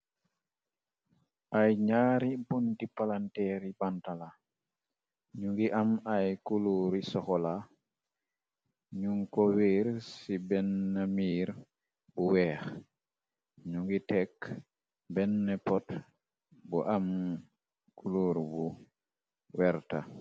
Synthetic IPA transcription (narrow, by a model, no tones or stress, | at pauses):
ʔajɲaːɾibuntipalantɛɾibantala | ɲuŋɡiʔamajkuluɾisɔkɔla | ɲuŋkɔwiɾsibɛnːamiːɾ | buwɛx | ɲuŋɡitɛk | bɛnːɛpɔt | bɔʔam | kuluɾbu | wɛɾta